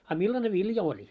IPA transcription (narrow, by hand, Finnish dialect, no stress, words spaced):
ɑ milːɑne ʋiljɑ olʲi